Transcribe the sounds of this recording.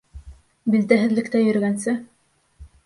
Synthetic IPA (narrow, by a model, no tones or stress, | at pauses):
bilt̪æɦɘ̆ðlɘ̆kt̪æjɵ̆ɾɘ̆ɡænsɘ